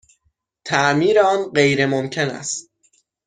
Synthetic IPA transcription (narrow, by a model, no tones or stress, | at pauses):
t̪ʰæʔmiːɾeɒːnɢejɾe̞momcʰenæ̰st̪